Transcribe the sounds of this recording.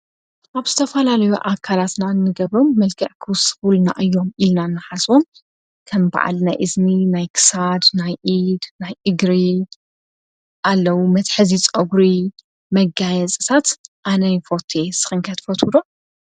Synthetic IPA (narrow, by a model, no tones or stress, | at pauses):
ʔaβz̥ɨt̪ʰɐfɐlalɐjuʔakʰalat̪nanːɨɡɐβɾomːɐlɡɐʕkʰɨwsɨ̥fulna̰ʔɨjːo̞milnanːɨħaswom | kʰɐmba̰ʕa̰lnajʔɨzminajkʰɨ̥sad̪najʔid̪najʔɨɡɾi | ʔalːɐwumɐt̪ħɨzit͡sʼoɡɾi | mɐɡajɐzʼɨt̪ʰat̪ʔanɐjfo̞t̪ʰesɨxɨŋkʰɐt̪fɐt̪ʰud̪o